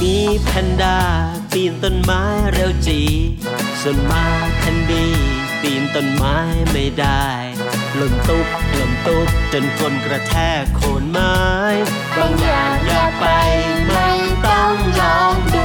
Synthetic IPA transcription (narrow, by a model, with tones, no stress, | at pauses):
miː˧pʰɛ˧ndaː˧˩ | piː˧˩nt̪o˧nmaː˦˥jɾe˧wt͡ɕiː˨˩ | so˨˧˦nmaː˨˦˥jpʰɛ˧ndiː˧˩ | piː˨˩nt̪o˧nmaː˦˥jma˥˩jdaː˧˥˩j | lo˨˩ŋt̪u˦˥k̚lo˨˩mt̪u˦˥˩k̚t͡ɕo˧nkʰo˧nkɾa˧t̪ʰɛː˥˩kʰːoː˨˦nmaː˦˥˦j | ɾɔ˧ŋa˧jaː˧˩pa˧jma˧˩t̪ɔ˥ŋlɔː˧˦ŋ